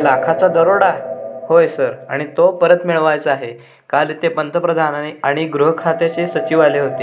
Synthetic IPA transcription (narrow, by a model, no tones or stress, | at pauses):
lakʰat͡sad̪əɾoɽahojsəɾaɽ̃it̪opəɾət̪miɭʋajt͡səaɦe | kalit̪epənt̪əpɾəd̪ʱanaiaɽ̃iɡɾuɦəkʰɾat̪et͡ɕesət͡ɕiʋaleɦot̪e